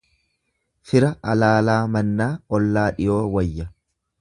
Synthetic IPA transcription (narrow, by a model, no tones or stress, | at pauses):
fɪɾɐɐlaːlaːmɐnːaːɔlːaːᶑɪjo̞ːwɐjːɐ